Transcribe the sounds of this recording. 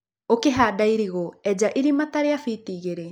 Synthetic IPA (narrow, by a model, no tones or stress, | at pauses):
okeɦaːdaiɾiɣoɛd͡ʒaʔiɾimataɾeafiːtiːɣeɾe